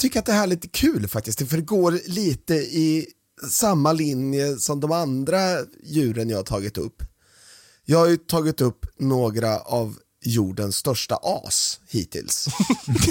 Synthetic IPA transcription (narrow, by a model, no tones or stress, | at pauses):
t̪ʰʏkːəɾat̪̚d̪ɛɦæːɭɪt̪kʰʉ̟ːlfak̚t̪ɪst̪d̪ɛfœɖɛɡoːɾliːt̪əɪ | samːalɪnjəsɔmd̪ɔmand̪ɾajʉ̟ːɾənjɑːhaʈʰɑːɡɪt̪ɵ̰pː | jɑːɡhajɵt̪ʰɑːɡɪt̪ɵpːnoːɡɾaʔav | juːɖənst̪œʂʈa̰ʔɑ̰ːshḭːt̪ʰɪ̰ls